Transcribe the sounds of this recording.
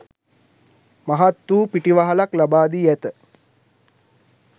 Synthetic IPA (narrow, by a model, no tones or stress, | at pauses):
maɦat̪wuːpiʈiʋaɦalaklabaːd̪ijɛt̪ə